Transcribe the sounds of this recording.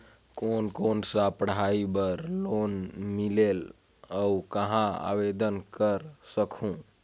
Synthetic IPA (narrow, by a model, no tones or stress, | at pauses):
koːnkonsapəɽɦaibəɾlonmilel | əukəɦãa̰ʋed̪ənkəɾsəkʰũ